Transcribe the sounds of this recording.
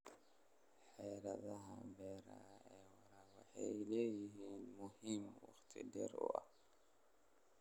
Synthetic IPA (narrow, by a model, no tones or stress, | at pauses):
ħɛːɾɐðɐɦɐbɛːɾɐ̰ɛːwɑɾɐwɑħɑ̰jɪlɛːjɪɦiːnmʊhiːmwɑ̰χt̪ʰɪ̰dɛɾʊ̰ʔɐ̰h